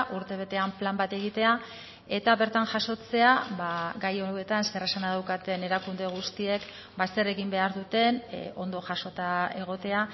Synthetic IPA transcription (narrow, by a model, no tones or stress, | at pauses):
ʔuɾt̪e̞β̞e̞t̪e̞amplambat̪e̞ɣ̞it̪e̞a | e̞t̪aβe̞ɾt̪aŋʝaso̞t͡se̞abaɡajowe̞t̪aneskeresanaðawkat̪e̞ne̞ɾakund̪e̞ɣ̞ust̪ie̞k | basere̞ɣimbe̞aɾðut̪e̞no̞nd̪o̞ʝaso̞t̪ae̞ɣ̞o̞t̪e̞a